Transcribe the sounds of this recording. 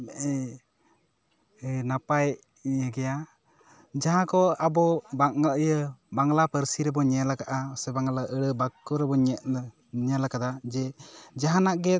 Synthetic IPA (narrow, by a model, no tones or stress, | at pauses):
mɛʔɛ | napaj | jəɡɛja | d͡ʒaɦãkɔabɔbaʔ̚ŋaʔəjəbaŋlapəɾsiɾɛbɔɲɛlakaʔasɛbaŋlaʔəɽəbakːɔɾɛbɔɲɛt̪̚ə | ɲəlakad̪ad͡ʒɛd͡ʒaɦanaʔɡɛ